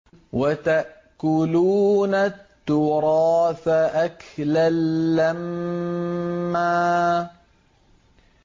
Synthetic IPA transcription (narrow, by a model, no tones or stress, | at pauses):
wat̪aʔ | kʊluːnat̪ːʊɾɑːθaʔaklalːam | aː